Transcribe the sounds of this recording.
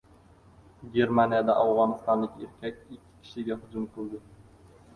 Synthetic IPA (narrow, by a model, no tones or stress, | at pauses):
ɡʲe̞ɾmanijad̪aʔawʁɒnɪst̪ɒnlɪkʲeɾkʲʰak̚ʲɪkʲʰːɪ̥kʲʰɪ̥ʃɪɡʲahʊd͡ʒʊmqʰɨlˠd̪ɪ